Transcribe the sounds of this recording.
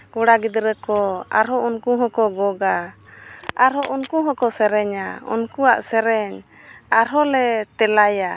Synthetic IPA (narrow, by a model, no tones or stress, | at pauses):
kɔɽaɡid̪ɾəkɔa̰ɾɦɔʔunkuɦɔ̃kɔɡɔɡa | aɾɦɔʔunkuɦɔ̃kɔsɛɾɛɲaṵnkua̰ʔsɛɾɛɲ | aɾɦɔlɛt̪ɛlaja